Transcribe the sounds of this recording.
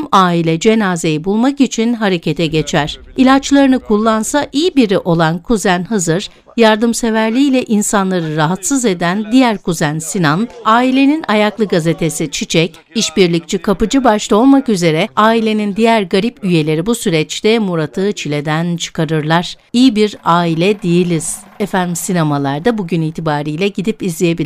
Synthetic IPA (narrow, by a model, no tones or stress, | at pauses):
maːilʲɛd͡ʒe̞naːze̞jibulˠmakit͡ʃʰinɦaɾe̞cʰe̞t̪ʰɛɟe̞t͡ʃʰæɾ̥ | ilʲat͡ʃlˠaɾɯnɯkʰulˠːansaʔijibiɾiʔo̞lˠankʰuzænhazɯɾ̥ | jaɾd̪ɯmse̞væɾlʲiːlʲɛʔinsanlˠaɾɯɾaɦat̪sɯze̞d̪ænd̪ijæɾkuzænsinanaːilʲe̞ninajaklˠɯɡaze̞t̪ʰe̞sit͡ʃʰit͡ʃʰɛc | iʃbiɾlʲic̚t͡ʃʰikʰapɯd͡ʒɯbaʃlˠao̞lˠmakyze̞ɾɛaːilʲe̞nind̪ijæɾɡaɾipyje̞lʲe̞ɾibusyɾɛt͡ʃt̪ɛmuɾat̪ʰɯːt͡ʃʰilʲe̞d̪ænt͡ʃʰɯ̥kʰaɾɯɾlˠaɾ̥ijibiɾaːilʲɛd̪ijilʲiz̥ | efænʲmsinemalˠaɾd̪abuɟyniːt̪ʰibaːɾijlʲɛɟid̪ipizlʲejebi